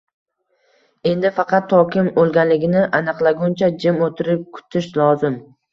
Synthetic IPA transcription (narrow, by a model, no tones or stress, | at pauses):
e̞nd̪ɪfɑqʰɑt̪ʰːɒkʲɪmolˠɡʲanlɪɡʲɪnɪʔanɨqlˠaɡʊnt͡ʃʰad͡ʒɪmot̪ʰɪɾɪp̚kʰʊ̥t̪ʰɪʃlɒzɪm